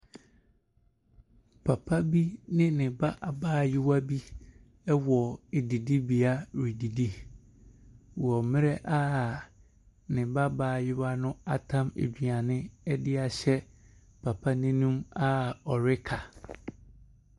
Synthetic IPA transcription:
pʰa˨pʰa˦bi˦nɪ̃˦nɪ̃˨ba˦ʔa˨baː˦˨jɪ˦wa˦bi˦ | ɛ˦wɔ˨e˨di˨di˦bi˨a˦ɾi˨di˨di˦ | wɔ˨mɪ̃˦ɾɛ˦ʔa˦˨ | nɪ̃˨ba˦baː˨jɪ˦wa˦nʊ̃˦a˨tʰã˦mḛ˨d͡ʑᶣi˨a˨nɪ̃˦ɛ˦dɪ˦a˨ɕɛ˦ | pʰa˨pʰa˦nɪ̃˦nũ˦ma˦ɔ˨ɾɪ˦kʰa˨

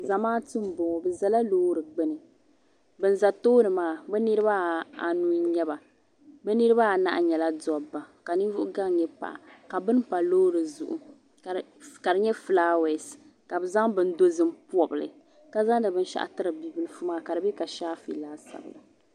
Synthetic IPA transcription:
za˨maː˦tɨ˦m˨bo˨ŋ˨bɨ˨za˨la˦loː˦ɾɨ˨ɡ͡bɛ˦nɨ˨ | bɨ˨n˦za˨toː˦nɨ˨maː˦bɛ˦nɨ˦ɾɨ˦ba˦a˨nu˦ɲɛ˦ba˨ | bɛ˦nɨ˦ɾɨ˦ba˦a˨na˦˨ʔa˨ɲɛ˨la˦dɔ˨ba˨ka˨nɨ˦vʊ˦ʔʊ˦ɡa˦ŋ˨ɲɛ˦pa̰˨ʔa̰˨ka˨bɨ˦npa˨loː˦ɾɨ˨zu˨ʔṵ˨ | ka˨ɾɨ˨ɲɛ˦flaː˦wɛ˨s | ka˨bɨ˨za˦ŋbɨ˦n˦do˦zɨ˦m̩˦pɔ˨bɨ˨lɨ̰˨ | ka˦za˦ŋdɨ˨bɨ˦n˦ʃa̰˦ʔa̰˦˨tɨ˦ɾɨ˨bi˦bɨ˦lɨ˦fu˦maː˦ka˨ɾɨ˨bɛ˦ka˨ʃaː˦fḭ˨laː˦sa̰˨bɨ̰˨la˨

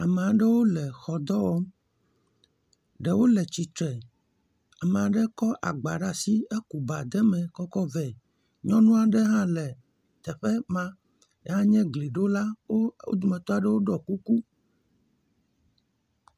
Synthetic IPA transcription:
a˨me˨a˨ɖɛ˦wo˦lɛ˨xɔ˨d̪ɔ˦wɔ˦m | ɖɛ˨wo˦lɛ˨t͡ɕi˨t̪ɾɛ˨ | a˨mẽ˨a˨ɖɛ˦kɔ˦ʔa̰˨ɡ͡ba˨ɖa˦si˦e˦ku˨ba˨d̪ɛ˦mɛ̃˨kɔ˦kɔ˦vɛ˨ | ɲɔ̃˦nũ˦a˨ɖɛ˦ɦã˦lɛ˨ | t̪ɛ˨ɸɛ˦mã˦ | e˦ɦã˦ɲɛ̃˦ɡli˨ɖo˦la˦wo˦o̰˦d̪u˨mɛ̃˨t̪ɔ˦a˨ɖɛ˦wo˦ɖɔ˨ku˦ku˦

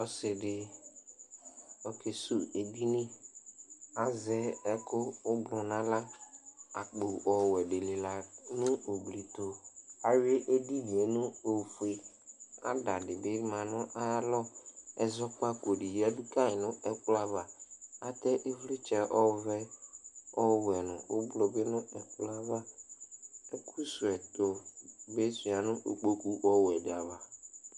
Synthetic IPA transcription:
ɔ˦sɪ˨ɖɪ˨ | ɔ˨ke˨su˦e˨d̪i˦nĩ˦ | a˨zɛ˦ɛ˦kʊ˦ʊ˦ɡ͡blɔ̃˨nã˦la˦ | a˨k͡po˨ɔ˨wɛ˨ɖɪ˨le˨la˨nʊ̃˦o˨bli˨t̪o˨a˨we˦ʔe˦di˦di˨e˨nʊ̃˦o˨fu˨e˨ | a̰˦da˨ɖɪ˨ɖɪ˦mã˨nʊ̃˦ʔa˦lɔ˦ɛ˨zɔ˦k͡pa˦ko˨ɖi˨ja˦du˦ka˦ɪ˨nʊ̃˦ɛ˨k͡pla˦va˨a˦t̪ɛ˦ʔe˦vli˦t͡ʃɛ˨ʔɔ˦vɛ˦ | ɔ˦wɛ˨nʊ̰̃˨o˦blo˨be˦nʊ̃˦ɛ˨k͡pla˦va˦ | ɛ˦kʰu˦su˨ɛ˨t̪o˨be˦si˨a˨nʊ̃˦ʔo˨k͡po˦ku˦wɔ˦wɛ˨ɖa˨va˨

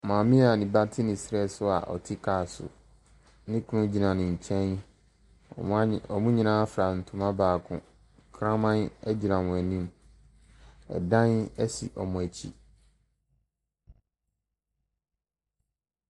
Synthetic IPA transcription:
mãː˨mɪ̃˦a˨nĩ˨ba˦tʰɪ˦nɪ̃˨sɾɛ˦sʊ˦a̰˨ʔɔ̰˨tʰɪ˦kʰaː˨sʊ̰˨ | nɪ̃˦kʰʊ˦nʊ̃˦d͡ʑi˨nã˨nɪ̃˨ɲ̩˨t͡ɕʰɛ̃˦n̰˨˦ | ɔ˨mũ˦ɲĩ˨nãː˦fɾa˨n̩˨tʰũ˦mã˦baː˨kʰʊ̰̃˨ | kʰɾã˦mã˦nɛ˦d͡ʑi˨ɾã˨mʊ̃˨æ˨nĩ˦m | ɛ̰˨dã˦nɛ˦sḭ˨ʔɔ˨mʊ̃˨æ˨t͡ɕʰḭ˦

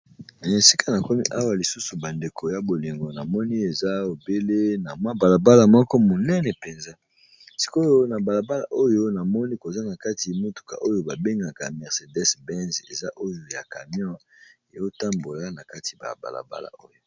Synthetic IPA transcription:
e˨si˦ka˦na˨kɔ˦mi˦ʔa˦wa˨li˨su˦su˨ba˨nde˨kʰo˨ja˨bo˨li˨ŋɡo˨na˨mɔ˦ni˦e˨za˦o˨be˦le˦na˨mwa˦ba˨la˨ba˦la˨mɔ˦kɔ˦mo˨nɛ˦nɛ˨pe˨nza˦ | si̥˦ko˦jo˦na˨ba˨la˨ba˦la̰˨ʔo˦jo˦na˨mɔ˦ni˦ko˨za˦na˨ka˦ti˨mo˦tu̥˨ka̰˨ʔo˦jo˨ba˨be˦ŋɡa˨ka̰˨mɛ˨ʁse˨dɛ˦sbɛ˦nzḛ˨za˦ʔo˦jo˨ja˨ka̰˨mjɔ̃˦ | e˨jo˦ta˦mbo˨la˦na˨ka˦tʰi˨ba̰˨ba̰˨la̰˨ba̰˦la̰˨o˦jo˦

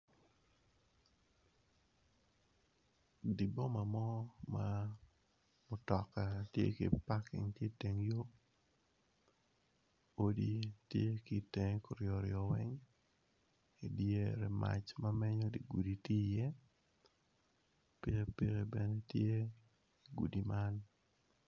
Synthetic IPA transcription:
di˨bo˦ma˨mɔ˦ma | mʊ˨tɔ˨ka˨tjḛ˦kḛ˨pa˦kɪ̰˨ŋtje˦te˨ŋjo˦ | o˦ditje˦ki˨te˨ŋko˨ɾjɔ˨ɾɪɔ˨wɛ˦ŋ | e˨dje˦ɾɛ˨ma̰˦t͡ʃma˦mɛ˦ɲo˦di˨ɡu˨di˨ti˦je˦ | pi˨ɣe˦pi˦ɾe˨bɛ˨ne˦tje˦ | i˨ɡṵ˨di˨ma˦n

